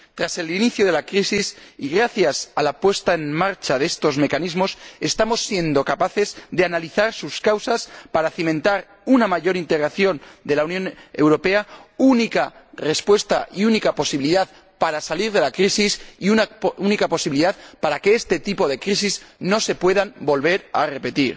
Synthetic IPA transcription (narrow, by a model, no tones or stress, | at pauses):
t̪ɾase̞liniθjoðe̞lakɾisisiɣɾaθjasalapwe̞st̪ae̞nmaɾt͡ʃaðe̞st̪o̞zme̞kanizmo̞se̞st̪amo̞sːje̞nd̪o̞kapaθe̞zd̪eanaliθaɾsuskawsaspaɾaːθimẽ̞nt̪aɾ | unamaʝo̞ɾint̪e̞ɣɾaθjo̞nd̪e̞launjõ̞ne̞̰wɾo̞pe̞aunikare̞spwe̞st̪aiunikapo̞siβiliðað | paɾasaliɾðe̞lakɾisisiunaunikapo̞siβiliðaðpaɾake̞est̪e̞t̪ipo̞ðe̞kɾisizno̞se̞pwe̞ðambo̞lβe̞ɾa̰re̞pe̞t̪iɾ